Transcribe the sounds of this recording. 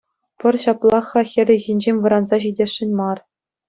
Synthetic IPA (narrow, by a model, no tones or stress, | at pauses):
pɘ̆rɕɑplˠɑχɑxʲɘ̆rʲɘ̆ɣʲinʲd͡ʑemʲʋɤ̆ɾɑnzɑɕidʲeʂːɘ̆nʲmɑr